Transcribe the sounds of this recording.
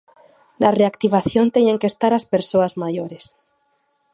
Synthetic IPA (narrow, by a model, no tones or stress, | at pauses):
nareakt̪iβ̞aθjont̪eɲeŋkest̪aɾaspeɾsoazmajoɾes